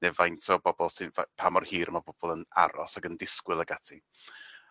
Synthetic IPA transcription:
nɛvajntʰɔbɔbɔlˠsivapʰamɔrhiːɾmabɔb̥ɔlˠəna̰ɾɔsaɡəndɪskwɪlˠəɡatʰi

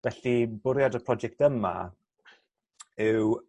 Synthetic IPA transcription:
vɛɬibʊɾjadəpʰrɔd͡ʒɛk̚təma̰ | ɪw

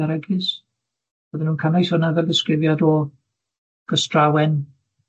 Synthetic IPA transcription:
aɾəɡɨs | b̥oːðɪnhuːnkʰanajsɔnavɛlˠdɪskrɪvjadɔ | ɡ̥əstrawɛn

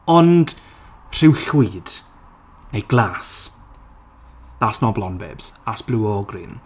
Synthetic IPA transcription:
ɔnd̥ | r̥ɪwɬid̥ | nejɡlaːs | ðasnɔblˠɔnbɛ̰bz̥asb̥luːɔɡrḭːn

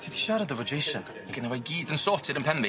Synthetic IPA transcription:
tʰiðiʃaɾəd̪ðəvəd͡ʒeʃə̃n | akʰə̃nəvaɪɡiːdə̃nsɔːˑtʰɪdə̃npʰɛmbi

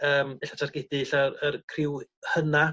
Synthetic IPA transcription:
əːmɛɬatʰarɡ̥ɪdɨɬaərkʰrɪwhəna

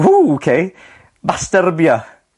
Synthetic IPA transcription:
uokʰe | bastərbjɔ

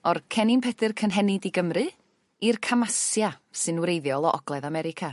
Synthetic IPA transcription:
ɔrkʰɛninpʰɛdɨrkʰənɦɛnɪdiɡəmrɨ | irkʰamasjasɨnwɾejðjɔlˠɔʔɔ̰ɡlˠɛðamɛɾɪkʰa

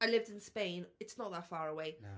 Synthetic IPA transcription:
aɪlɪvdɪ̃nspẽɪ̃nɨtsnəʔ̪̚ðətfɑːɹəweɪ

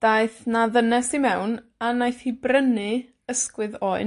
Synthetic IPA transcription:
d̥ajθnaðənɛsimɛwnanajθhibrənɨ | əskwɨðoːɨn

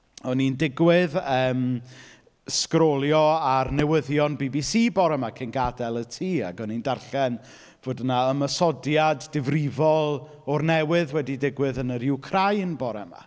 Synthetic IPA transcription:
ɔnindɪɡwɪðəːm | skrɔlˠjɔarnɛwəðjɔnbiːbisiːbɔɾɛmakʰɪnɡadɛlˠətʰiːa̰ɡɔnindarɬɛn | v̥oːdənaəməsɔdjadːɪvrɪvɔlˠ | ɔrnɛwɨðwɛdidɪɡwɨðənəɾɪwkʰrajnbɔɾɛma̰

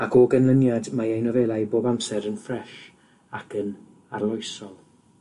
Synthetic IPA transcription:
akʰɔːɡanlˠənjadmaejnɔvɛlˠajboːbamsɛɾənfrɛʃ | akʰən | arlˠɔjsɔlˠ

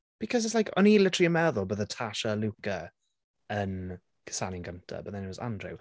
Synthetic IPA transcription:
b̥ɪkʰɔzɪtslaɪjkʰɔ̰nilɪtəɹiəmɛðɔlˠbəðətʰaʃəlukə | ən | kʰə̥sanɪŋɡəntʰə̰bət̪ðɛ̃nit̚wɔzã̰ndɹʊ̰w

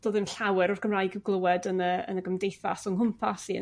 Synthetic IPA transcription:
d̥oːðɪmnɬawɛɾɔrɡʰəmraːjɡiwɡlˠəwɛdənəə̰nəɡəmdejθa̰sɔŋɦʊmpʰasiə̰

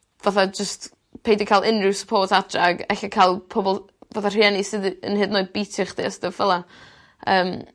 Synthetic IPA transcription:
vaθad͡ʒəst | pʰejdikʰalˠʔɪnrɨwsə̥pʰoːtʰadraɡɛɬakʰajlˠpʰɔbɔlˠ | vaθar̥ɨɛnisɨðə̰nhɨdnoːɨbijtʰɪχd̥ḛəsdəvvɛlˠa | əːm

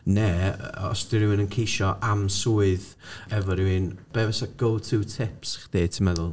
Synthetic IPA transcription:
nɛɔ̰sd̥ɪɾɪwɪnənkʰejʃɔʔamsuɨð | ɛvɔɾɪwɪnb̥ɛvɛsaɡ̥olˠtʰuːtʰɪpsχd̥eːtʰɪmɛðʊlˠ

